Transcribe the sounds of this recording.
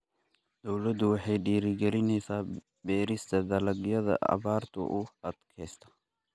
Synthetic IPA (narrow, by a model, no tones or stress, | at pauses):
d̪̥ɔwlɐd̪ʊwɑħɑjɖiːɾɪɡɛlɪnɛsaː | bɛːɾɪst̪ʰɐd̪ɐlɐɡɪjɐðɐ̰ʔɐ̰baːɾt̪ʰʊ̰ʔʊɐd̪kʰɛːst̪ʰɐ̥